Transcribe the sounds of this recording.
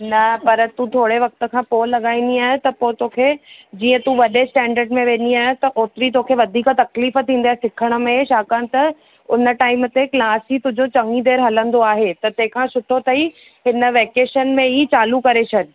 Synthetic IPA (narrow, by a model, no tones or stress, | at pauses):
nɐpɐɾt̪ũːt̪ʰoːɽeʋɐk̚t̪ə̆kʰãːpoːlɐɠaːĩːn̆d̪iaːɦt̪ɐpoːt̪oːkʰed͡ʑiːə̃t̪ũʋɐɗesʈɛ̃ːɳɖəɾɖmẽʋẽːnd̪iaːɦt̪ɐʔoːt̪ɾit̪̬oːkʰeʋɐd̪ʱiːkt̪ɐkliːf̆t̪ʰĩːnd̪iaːɦsɪkʰəɽ̃ʊ̆mẽʃaːkanɪ̆t̪ɐ | ʊnə̆ʈaːɪmt̪eklaːsit̪ʊd͡ʑot͡ɕɐŋĩd̪eːɾɦɐlə̃nd̪oaːɦet̪ɐt̪ɐ̃ɦɪ̃kʰãsʊʈʰot̪ʰɐi | ɦɪnə̆ʋeːkeːʃənmẽiːt͡ɕaːlukɐɾet͡ɕʰɐɗ̆